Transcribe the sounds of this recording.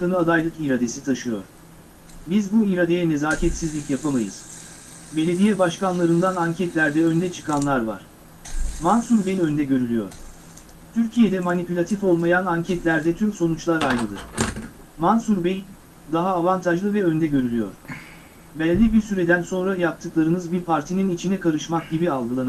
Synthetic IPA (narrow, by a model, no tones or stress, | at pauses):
k̪anɯad̪ajlˠɯkiɾad̪e̞sit̪ʰaʃɯjo̞̰ɾ̥ | bizbuiɾad̪e̞jɛne̞zaːcʰɛt̪sizlʲicjapʰamajɯ̰z̥ | be̞lʲe̞d̪ijɛbaʃkanlˠaɾɯnd̪anaɲcʰɛt̪lʲæɾd̪ɛø̞nd̪ɛt͡ʃʰɯ̥kʰanlˠaɾva̰ɾ̥ | mansuɾbenø̞nd̪ɛɟø̞ɾylʲyjo̞̰ɾ̥ | t̪ʰyɾcʰijed̪ɛmanipʰylʲat̪ʰifo̞lˠmajanaɲcʰɛt̪lʲæɾd̪ɛt̪ʰymso̞nut͡ʃlˠaɾajnɯd̪ɯ̰ɾ̝̥ | mansuɾbej | d̪aɦaːvant̪ʰaʒlˠɯvɛø̞nd̪ɛɟø̞ɾylʲyjo̞̰ɾ̥ | bɛlʲːibiɾsyɾed̪ænso̞nɾajap̚t̪ʰɯklˠaɾɯnɯzbiɾpʰaɾt̪ʰininit͡ʃʰinɛkʰaɾɯʃmak̚ɟibialˠɡɯlˠan